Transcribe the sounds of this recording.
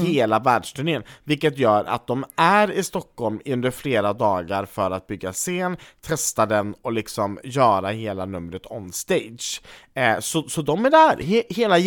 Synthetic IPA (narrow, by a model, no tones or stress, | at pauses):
heːlavæːɖʂʈ̪ʏnɪənvɪlkːət̪jœːɾa̰t̪̚d̪ɔmæɾɪst̪ɔkːhɔlmɵnd̪əɾfleːɾad̪ɑːɡaɾfœɾat̪̚bʏɡːaseːnt̪ʰɛst̪ad̪ɛnɔlɪksɔmjœːɾaheːlanɵmɾət̪ʰɔnst̪ɛjd̪ʂ | sɔsɔd̪ɔmæɖɛhæːɾhheːla